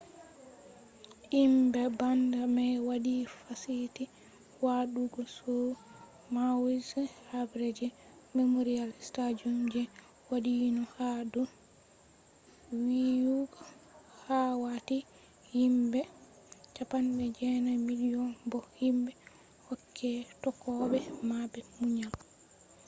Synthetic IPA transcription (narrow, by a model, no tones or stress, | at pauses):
ʔimbɛbandamɛwadifasiti | waɗuɡɔsɔ | mawizhabɾed͡ʒɛ | memuɾialstad͡ʒumd͡ʒɛ | wadinɔhadɔ | wijuɡɔhawati | himbɛ | t͡ʃapanɓɛd͡ʒɛnamiliɔnbɔhimbɛ | hɔkʰːɛtɔkːɔɓɛmabɛmuɲal